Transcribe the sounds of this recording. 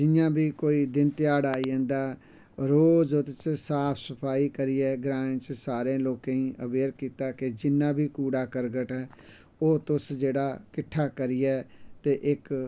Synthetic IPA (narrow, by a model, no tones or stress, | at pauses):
d͡ʒɪjãːbʱiːkoːiːd̪ɪnt̪ɪjaːɽaːiẽːnd̪aː | ɾoːzʊt̪t͡ʃsaːpʰsəpʰaːiːkəɾɪjɛːɡɾãːt͡ʃsaːɾẽːloːkẽːĩːʔəbeːɾkiːt̪aːkɪd͡ʒɪnːãːbʱiːkuːɽaːkəɾɡəʈɛː | oːt̪ʊsd͡ʒeːɽaːkɪʈʰːaːkəɾɪjɛːt̪eːʔɪk